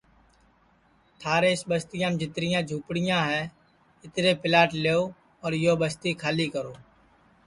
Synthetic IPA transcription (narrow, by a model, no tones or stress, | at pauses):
t̪ʰaːɾeːɪsbəst̪ɪjãːmd͡ʒɪt̪ɾɪjãːd͡ʒʱuːpɽɪjãːɦɛː | ɪt̪ɾeːpɪlaːʈleːoː | ɔːɾjoːbəst̪iːkʰaːliːkəɾoː